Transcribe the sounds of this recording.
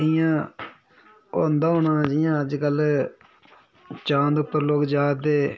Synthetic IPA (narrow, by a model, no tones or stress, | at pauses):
ɪjãː | oːnd̪aːɦoːnãːd͡ʒɪjãːəd͡ʒkəl | t͡ʃãːnd̪ʊpːəɾloːkd͡ʒaːd̪eː